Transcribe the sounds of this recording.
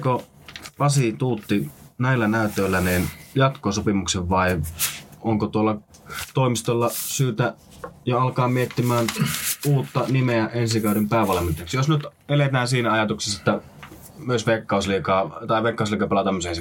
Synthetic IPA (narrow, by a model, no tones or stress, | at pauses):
ko | pɑsit̪uːt̪ːinæilːænæˑyt̪ˑøilːæninjɑt̪kosopimukseʋʋɑi | oŋkot̪uolːɑ | t̪oimist̪olːɑsyːt̪æ | joɑlkɑːmiet̪ːimæːnuːt̪ːɑnimeæʔensikɑˑoɾempæːʋɑlɑment̪ːˑeksijosnyt̪elet̪æːnsiːnæɑjɑt̪ukse̥set̪ːæ | myøsʋekːɑˑusliːkɑːt̪ɑˑiʋeˑkːˑɑˑusliːkɑpelɑt̪ɑmːysensi